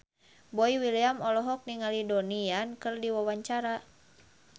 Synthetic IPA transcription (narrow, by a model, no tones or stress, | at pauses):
bɔiwiliamɔlɔɦɔk̚niŋalidɔniankɨrdiwawaɲt͡ʃaɾa